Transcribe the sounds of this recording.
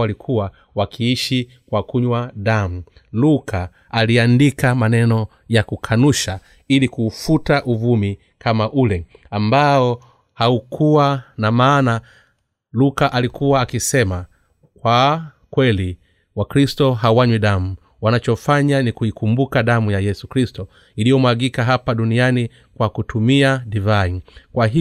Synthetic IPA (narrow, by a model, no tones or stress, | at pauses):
alikʰuwa | wakʰiiʃi | kwakuɲwaɗamu | lukʰaː | liandikamanɛnɔ | jakukʰanuʃa | ilikuːfutaʔuvumi | kʰamaʔulɛambaɔ | haukʰuwanamaːna | lukaʔalikʰuwaːkisɛma | kwa | kwɛli | wakɾistɔɦawaɲwiɗamu | wanat͡ʃɔfaɲanikuikumbukaɗamujajɛsukɾistɔ | ilijɔmwaɡikaɦapaɗuniani | kwakutʰumiadivainkwaɦi